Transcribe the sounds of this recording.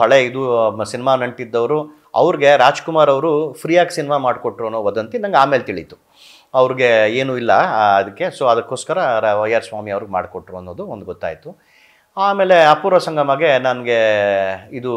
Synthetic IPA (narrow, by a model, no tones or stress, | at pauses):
ɐɭeid̪usinimanɐɳʈid̪ːɐʋɾu | ɐ̰ʋɾiɡe̞ɾaːd͡ʒkumaːɾɐʋɾupʰɾiːjaːksinimamaːɖkoʈːɾonoːʋɐd̪ɐnt̪inɐŋɡeaːme̞ːlet̪iɭit̪u̥ | ɐʋɾiɡe̞eːnuilːɐɐd̪ɐkːe̞soɐd̪ɐkːo̞ːskɐɾɐʋɐjɐɾsʋaːmiɐʋɐɾɡema̰ːɖkoʈːɾoɐnːoːd̪uond̪uɡɔt̪ːa̰ːjit̪u | aːme̞ːle̞ɐpuːɾɐsɐŋɡɐmɐɡenɐnɡe̞ | id̪u